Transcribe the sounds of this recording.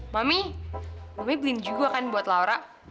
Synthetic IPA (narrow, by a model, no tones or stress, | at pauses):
mami | mamiblɪnd͡ʒuɡakanbuat̪lauɾaʔ